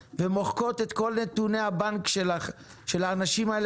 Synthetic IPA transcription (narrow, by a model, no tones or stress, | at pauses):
vemo̞χko̞t̪et̪ko̞lnet̪unehabankʃelaχ | ʃelaːnaʃimael